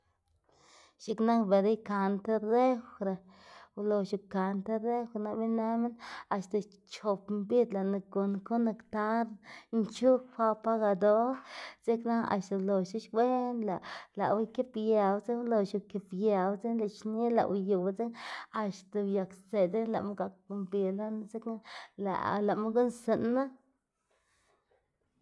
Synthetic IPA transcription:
ʃi˧kna˦kbe˨ɾa˦jka˧nt̪e˦ɾe˦wɾa˨ | wlo˨ʃu˧˨ka˨nt̪e˦ɾe˦xna˧bi˦na˦me˦na˨ʃt̪a˨ | t͡ʃo˨pmbi˦d̪la˨na˧ɡo˨nko˦na˧kt̪a˦ɾnt͡ʃu˦kxʷa˧pa˦ɡa˧d̪o˦ɾze˦kna˦a̰˨ʃt̪a˨lo˨ʃu˦ʃwe˦nla˨la̰˨wa˦ke˦pja˨wt͡se˦lo˨ʃu˧˨ke˨pja˨wt͡se˦nla˨t͡ʃni˦la̰˨wju˨wt͡se˦a˧ʃt̪a˨bja˨kse˨d̪e˦la˨ʔma˦ɡa˨k̚mbi˨la˦n˧ze˦kna˦la̰˨la˨ma˦ɡu˦nse˨nːa˦

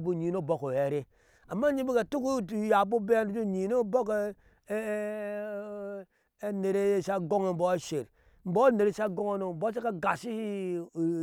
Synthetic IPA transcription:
bu˦˨ɲi˨no˦˨bo˦ko˨e˨ɾe˦ | a˨mːa˦ɲi˦bi˦ka˨tu˦ku˦˨ja˨bo˦be˦a˦n˦du˦to˦˨ɲi˨no˦bo˦k | e˦ne˨ɾe˦sa˦ɡo˦ŋe˨m̩˨bo˨e˦ʃe˨ɾ | m̩˨bo˦a˦ne˨ɾe˨sa˦ɡo˦ŋo˦no˨m̩˨bo˦s̬e˦ka˦ɡa˨si˦˨

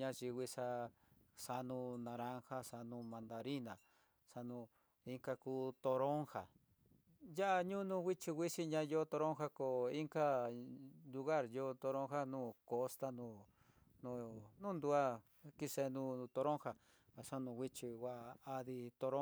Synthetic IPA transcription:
ɲã˧ʒi˧wi˧sa˧ | sa˧nũ˧nã˧ɾã˦ŋha˦sa˧nũ˧mã˧nd̪a˧ɾi˦nã˨ | sa˧nũ˧ | i˦ŋka˧kuː˦t̪o˧ɾo˦ŋha˨ | ja˦ʔa˧ɲũ˦nũ˧ɣʷi˦t͡ʃi˧ɣʷi˦si˧ɲã˧jo˦t̪o˧ɾo˦ŋxa˦ko˨i˦ŋka˦ | lu˧ɣa˦˨ɾjo˧t̪o˧ɾõ˦ŋxa˦nũː˦ko˧st̪a˦˧nũ˧˨ | nũ˧nũ˦nd̪u˧a˦ | ki˧se˧nũ˧t̪o˧ɾõ˦ŋha˧ | a˨sa˧nũ˧wʷi˦t͡ʃi˧wa˧a˧ði˧t̪o˧ɾo˦

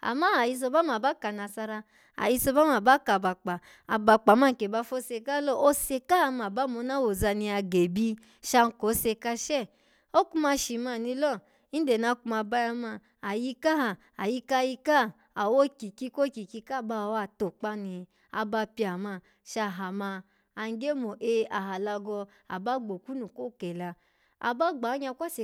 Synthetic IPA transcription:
a̰˨ma˦a˨ji˧s̬o˧ba˦ma˨ba˦ka˨na˨sa˧ɾa˧ | a̰˨ji˧so˧ba˦m˦a˨ba˦ka˨ba˨k͡pa˨ | a˨ba˧k͡pa˨ma˦ŋ̩˨ke˨ba˧fo˦se˧ka˦lɔ˦o˦se˧ka˦a˧ma˨ba˦mo˧˦na˦wo˨za˧ni˧a˧ɡe˨bi˧ | ʃa˧n̩˨ko˨˦se˧ka˧ʃɛ˦˨ | o˦ku˧ma˧ʃi˨ma˨ni˧lɔ˦ | i˦de˨na˧˦ku˧˦ma˧ba˧ja˧ma˧˨ | a˨ji˧ka˦ha˨ | a˨ji˧ka˧ji˧ka˦ | a˨wo˦ki˨ki˧ko˦ki˨ki˧ka˦˨ba˧˨wa˧˨to˨k͡pa˦ni˧ | a̰˧ba˧pi˧a˨ma˧˨ | ʃa˧ɦa˨maː˧ | n˦ɡe˦mo˨ʔe˧a˨ɦa˨la˧ɡɔ˧ | a̰˨ba˦ɡ͡bo˨ku˦nu˨ko˦˨kɛ˨la˧ | a̰˨ba˦ɡ͡ba˨˦ɲa˧kʷa˦se˧

